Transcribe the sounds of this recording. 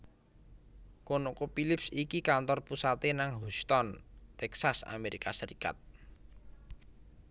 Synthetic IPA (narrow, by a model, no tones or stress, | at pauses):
konokopilɪpsikikant̪ɔrpusat̪enaŋɦust̪ɔnt̪ɛksasa̰meɾikasəɾika̰t̪̚